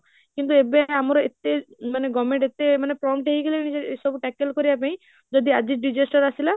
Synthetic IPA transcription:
kint̪̬uebeaamɔɾɔet̪emaneɡɔmeɳʈet̪emanepɾɔmʈeɦikilinid͡ʒeesɔbuʈɛkelkɔɾibap̬aĩ | d͡ʒɔd̪iad͡ʒiɖid͡ʒesʈɔɾasila

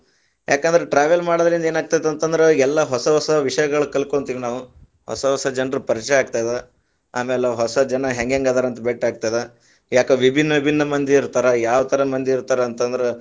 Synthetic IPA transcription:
jʔaːkend̪ɾeʈɾaːʋɐlmaːɽɐd̪ɐlind̪e̞ːnaːɡ̚t̪aːjd̪eɐnt̪ɐnd̪ɐɾeɛlːɐɦɔsɐɦɔsɐʋiʂɐjɐɡɐɭukɐlkoɳt̪iːʋinaːʋu | hɔ̰sɐɦɔsɐd͡ʒɐnɾupɐɾit͡ʃɛaːɡ̚t̪aːjd̪e | a̰ːmeːleɦɔsɐd͡ʒɐnɐɦeŋɡeŋɡaːd̪aːɾɐnt̪ɐbeːʈaːɡ̚t̪aːjd̪e | jaːkeʋibʱinːɐbʱinːɐmɐnd̪ʱiiɾt̪aːɾɐjaːʋɐt̪ʰɐɾɐmɐnd̪iiɾt̪aːɾɐːnt̪ɐnd̪ɐɾe

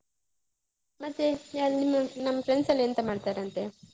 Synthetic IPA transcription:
mɐt̪ːeaːlnimːɐnɐmːɐfɾensɐlent̪ɐmaːɽt̪aːɾeɐnt̪e

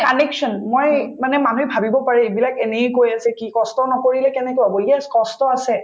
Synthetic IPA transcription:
anekʃɔnmojmanɛmanuɛbʱabibɔpaɹɛebilakɛnejkojasɛkikɔstɔnɔkoɹilɛkɛnɛkɔabɔjɛskɔstɔasɛ

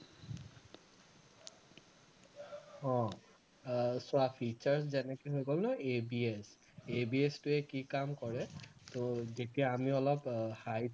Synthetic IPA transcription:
ɔ̃ | sʊapʰit͡ʃaɹszɛnɛkojɦojɡɔlnɔebies | ebiestʊɛkikamkɔɹɛtozetiaːmiɔlɔphaj

